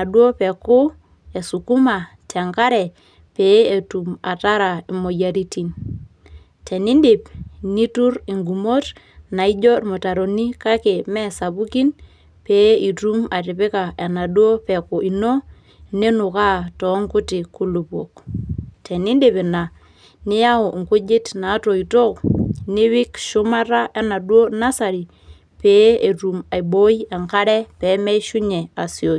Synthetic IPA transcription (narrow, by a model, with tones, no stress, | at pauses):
a˨dwo˦pɛ˨kʊ˦ | e˨su˨ku˦ma˨ | tɛ˨ŋka˦ɾɛ˨ | pe˨˦e˨tu˨ma˨ta˦ɾa˨i˨mo˨ja˨ɾi˦ti˨n | tʰɛ˨ni˦ndi˨pni˦tu˦ɾi˨ŋɡu˨mo˦t | na˨i˦d͡ʒɔ˦mo˨ta˨ɾo˨ni˦ka˦ke˨mɛ˦sa˨bu˦ki˦n | pe˨˦i˨tu˦ma˨tɪ˨pɪ˦ka˨e˨na˨dwo˦pɛ˨ku˨i˨no˦ | ne˦nʊ˨ka˦tɔ˨˦ŋkʊ˦tɪ˨ku˦lu˨pwo˨k̚tʰɛ˨ni˦nde˨pe˨na˨ | nɪ˦ja˦o˨ŋkʊ˦d͡ʒɪ˦tna˨˦to˨i˨to˦knɪ˦wɪ˦kʃʊ˦ma˦ɾa˦ʔa˦na˨dwo˦na˦sa˨ɾi˨ | peː˨˦e˨tu˨ma˨jbo˦i˦a˨ŋka˦ɾɛ˦pɛ˨˦mɛ˦ʃu˦ɲɛ˨a˨sjo˨i˨